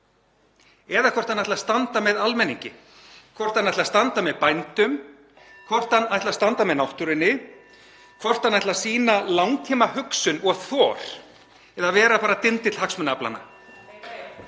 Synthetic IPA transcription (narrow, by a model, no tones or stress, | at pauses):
ɛðakʰvɔr̥t̪anajt̪last̪ant̪amɛðalmɛnːiɲcɪ | kʰvɔr̥t̪anːajtlast̪ant̪amɛðpajnt̪ʏm | kʰvɔr̥t̪anajht̪last̪ant̪amɛðnawht̪ʏɾɪnːɪ | kʰvɔr̥t̪anːajt̪lasiːnalawŋt̪ʰiːmaɦʏksʏnɔɣθɔːɾ̥ | ɛðavɛːɾapaːɾat̪ɪnt̪ɪt̪lhaksmʏnapla̰na̰